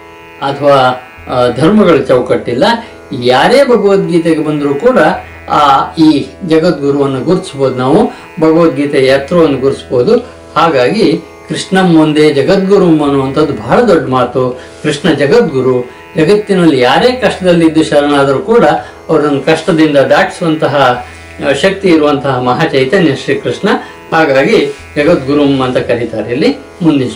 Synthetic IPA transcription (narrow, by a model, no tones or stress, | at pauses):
ɐt̪ʰɐʋaː | d̪ʱɐɾmɐɡɐɭt͡ʃɐwkɐʈːilːɐ | jaːɾe̞ːbʱɐɡɐʋɐt̪̚ɡiːt̪eɡebɐnd̪ɾuːkuːɽɐː | iːd͡ʒɐɡɐt̪̚ɡuɾuʋɐnːɐɡuɾt̪isboːd̪unaːʋu | bʱɐɡɐʋɐt̪̚ɡiːt̪ɐjɐjɐt̪ɾɐʋɐnːɐɡuɾsboːd̪u | haːɡaːɡi | kɾiʂɳɐmːund̪e̞d͡ʒɐɡɐt̪̚ɡuɾumɐnːuʋɐnt̪ʰɐd̪ːubʱɐɦɐɭɐd̪ɔɖːmaːt̪u | kɾiʂɳɐd͡ʒɐɡɐt̪̚ɡuɾu | d͡ʒɐɡɐt̪ːinɐlːijaːɾeːkɐʂʈɐd̪ɐlːid̪ːuʃɐɾɐɳaːd̪ɐɾukuːɽɐ | ɐʋɐɾunɐŋɡɐkɐʂʈɐd̪ind̪ɐd̪aːʈʰi̥suʋɐnt̪ɐɦɐ | ʃɐk̚t̪iːɾuʋɐnt̪ɐɦɐmɐɦaːt͡ʃɐjt̪ɐnjɐʂɾikɾiʂɳɐ | haːɡaːɡi | d͡ʒɐɡɐt̪̚ɡuɾumɐnt̪ɐkɐɾit̪aːɾeɐlːi | mund̪i